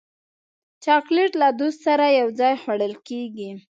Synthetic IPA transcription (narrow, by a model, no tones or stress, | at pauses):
t͡ʃɑkleʈlad̪ost̪saɾajawd͡zɑjxwaɽəlkeɡi